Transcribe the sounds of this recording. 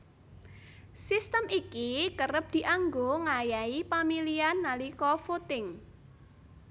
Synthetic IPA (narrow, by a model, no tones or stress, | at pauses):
sist̪əmʔikikərəp̚d̪̥i̤ʔaŋɡoŋajaipamilianːalikɔfot̪ɪŋ